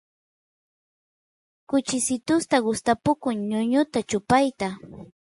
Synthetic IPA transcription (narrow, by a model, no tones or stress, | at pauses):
kʊt͡ʃɪsɪt̪ʊst̪aɢʊst̪apʊkʊŋɲʊɲʊt̪at͡ʃʊpajt̪a